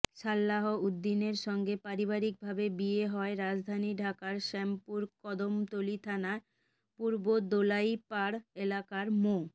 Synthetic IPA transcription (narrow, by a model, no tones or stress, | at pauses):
ʃalːaɦoud̪ːineɾʃɔŋɡepaɾibaɾik̚bʱabebieɦɔeɾad͡ʑd̪ʱaniɖʱakaɾʃɛmpuɾkɔd̪omt̪olit̪ʰana | puɾbod̪olaipaɽelakaɾmo